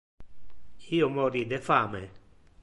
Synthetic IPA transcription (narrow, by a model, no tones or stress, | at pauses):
iːomɔːɾid̪efaːmḛ